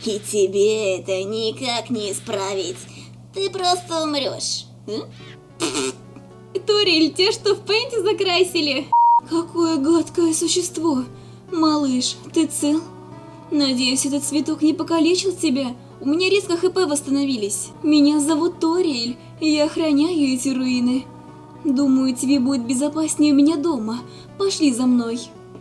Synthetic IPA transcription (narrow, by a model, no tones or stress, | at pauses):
itʲɪbʲeɛt̪ənʲɪkaknʲɪɪspɾavʲɪtʲ | t̪ɨpɾost̪əʊmɾʲo̰ʂ | t̪oɾʲelʲtʲeʂt̪ofpɛnʲtʲɪzɐkɾasʲɪlʲɪkɐko̞jəɡat̪kəjəsʊɕːɪst̪vo̞ | mɐlˠɨʂt̪ɨt̪sɨlˠ | nɐdʲejʊsʲɛt̪ət̪svʲɪt̪o̞knʲɪpəkɐlʲet͡ɕɪlˠtʲɪbʲa | ʊmʲɪnʲaɾʲeskəxɨpɛvəst̪ənɐvʲilʲɪsʲ | mʲɪnʲazɐvut̪ːoɾʲelʲ | jaxɾɐnʲæjʊɛtʲɪɾʊinɨ | d̪uməjʊtʲɪbʲebudʲɪt̪̚bʲɪzɐpasʲnʲɪjʊmʲɪnʲad̪o̞mə | pɐʂlʲizɐmno̞j